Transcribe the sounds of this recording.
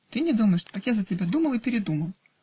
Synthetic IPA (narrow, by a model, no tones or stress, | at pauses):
t̪ɨnʲɪd̪uməjɪʂt̪akjazətʲɪbʲad̪uməlˠɨpʲɪɾʲɪd̪uməlˠ